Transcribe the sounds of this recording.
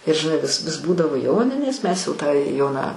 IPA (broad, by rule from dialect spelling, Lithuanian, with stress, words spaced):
ɪr ʒʲɪˈnɐɪ ʋʲɪs ʋʲɪs ˈbuːdɐʋoː ˈjoːnʲɪnʲeːs mʲɛs jɛʊ tɑː ˈjoːnɑː